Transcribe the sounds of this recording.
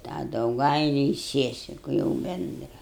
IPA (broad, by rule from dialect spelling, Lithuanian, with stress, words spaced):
tɑː dɐʊˈɡɐɪlʲʊ ɪ ˈsʲiɛsʲɪkʊ jɛʊ ˈbʲɛndrɐ